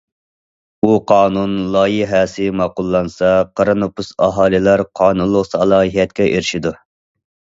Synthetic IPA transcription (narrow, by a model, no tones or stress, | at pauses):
uqʰɑːnunlˠɑːjiɦɛsɪmɑːqʊlˠːɑnsɑqʰɑɾɑnopusɑ̰ɦɑːlˠɪlˠɑɾqʰɑːnunlˠːʊqsɑlˠɑːjɛt̪̚kʲɛʔeɾɪʃid̪u